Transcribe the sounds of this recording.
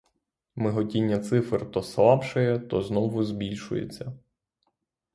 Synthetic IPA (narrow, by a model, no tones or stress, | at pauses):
mɪɦɔtʲinʲːɐt̪sɪfrt̪ɔslˠɑpʃɐjɛt̪ɔznɔʋʊzbʲilʲʃʊ̰jḛt͡sʲːɐ